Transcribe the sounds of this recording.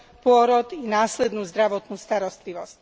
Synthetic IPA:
pʊɔɾɔd̪inaːslɛd̪nuːzd̪ɾaʋɔt̪nuːst̪aɾɔst̪liʋɔsc

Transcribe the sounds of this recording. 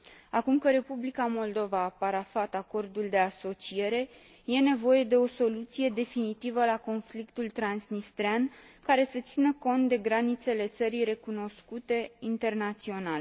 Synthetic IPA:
akumkəɾe̞publikamo̞ld̪o̞vaːpaɾafat̪ako̞rd̪uld̪e̞aso̞t͡ʃije̞ɾe̞ | je̞ne̞vo̞je̞d̪e̞o̞so̞lut̪sije̞d̪e̞finit̪ivəlako̞nflikt̪ult̪ɾansnist̪ɾeankaɾe̞sət̪sinəko̞nt̪̚d̪e̞ɡɾanit̪se̞le̞t̪səɾijre̞kuno̞skut̪e̞int̪e̞rnat̪sio̞nal

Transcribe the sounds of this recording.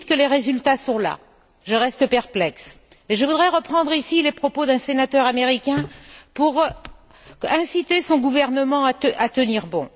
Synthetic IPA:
t̪kəleʁezylt̪asɔ̃la̰ | ʒəʁɛst̪əpɛʁplɛks | eʒəvud̪ʁɛʁəpχɑ̃d̪ʁisilepχɔpod̪ɛ̃senat̪œʁameʁikʲɛ̃puʁ | ɛ̃sit̪esɔ̃ɡuvɛʁnəmɑ̃aəʔat̪əniʁbɔ̃

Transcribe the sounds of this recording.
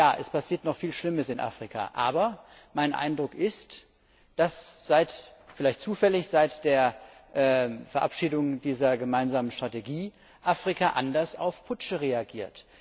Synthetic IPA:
jaːʔɛspʰasiːɐtnɔχfiːlʃlɪməsɪnʔa̰fʁ̥ikʰa̰ʔaːbɐ | maɪnʔa̰ɪndʁʊkʔɪst | d̥asz̥aɪtfɪlaɪçt̚t͡suːfɛlɪçz̥aɪtd̥eːɐʔɛːfɛɐʔapʃiːdʊŋdiːzɐɡəmaɪnzaːmənʃtʁ̥ateɡiː | ʔafʁ̥ikʰaʔandɐsa̰ʊfpʰʊt͡ʃəʁeaɡiːɐt

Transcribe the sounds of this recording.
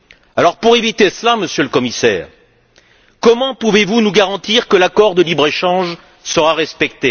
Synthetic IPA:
alɔʁpuʁevit̪eslaməsjøləkɔmisɛ̰ːʁ | kɔmɑ̃puvevunuɡaʁɑ̃t̪iʁkəlakɔʁd̪əlibʁeʃɑ̃ʒ | səʁaʁɛspɛk̚t̪e

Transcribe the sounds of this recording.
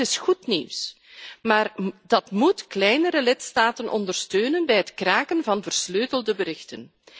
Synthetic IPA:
ɪsxutnḭws | maːrd̥ɑtmutklɛjnəɾəlɪtstaːtənʔɔ̰ndərstøːnənbɛjɦətkraːkənvɑnvərsløːtəlˠdəbəɾɪxtə̰n

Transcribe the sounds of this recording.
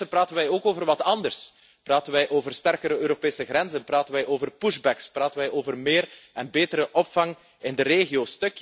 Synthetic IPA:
əpraːtənʋɛjoːkoːvərʋɑtɑndərs | praːtənʋɛjʔoːvərstɛrkəɾəøːɾopeːsəɣɾɛnzənpraːtənʋɛjʔoːvərpuʒbɛkspraːtənʋɛjʔoːvərmeːrɛnbeːtəɾəʔɔpfɑŋ | ɪndəreːɣioːstɵk

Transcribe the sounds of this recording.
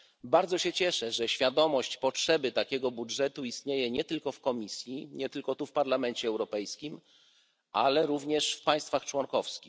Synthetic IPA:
baɾd̪zɔɕɛt͡ɕɛʂɛʐɛɕfʲjad̪ɔmɔɕt͡ɕpɔtʂɛbɘt̪akʲɛɡɔbudʐɛt̪uist̪ɲejɛɲɛt̪ɘlkɔfkɔmʲisʲjiɲɛt̪ɘlkɔt̪ufpaɾlamɛnt͡ɕɛːwɾɔpɛjskʲim | ʔa̰lɛɾuvɲɛʂfpaj̃st̪faxt͡ʂwɔnkɔfskʲi

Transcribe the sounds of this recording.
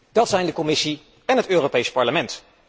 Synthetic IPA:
d̥ɑtsɛjndəkɔmɪsi | ɛnɦətøːrowpejspɑɹləmɛnt

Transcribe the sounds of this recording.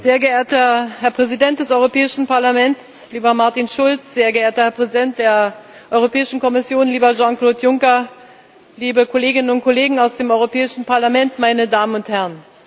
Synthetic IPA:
z̥eːɐɡəʔeːɐtɐhɛɐpʁ̥ɛzidɛnt̚d̥ɛsɔʏʁopɛːɪʃn̩paɐlamɛnts | liːbɐmaɐtinʃʊlt͡sz̥eːɐɡəʔeːɐtɐhɛɐpʁ̥ɛzidɛnt̚d̥eːɐ | ʔɔʏʁ̞opʰɛːɪʃn̩kʰɔmɪsjoːnliːbɐʒɑ̃ŋkloːtjʊŋkɐ | liːbəkʰoleːɡɪnənʊnt̚kʰoleːɡŋ̩aʊsd̥eːmɔʏʁopʰɛːɪʃn̩paɐlamɛntmaɪnədaːmənʊnthɛʁən

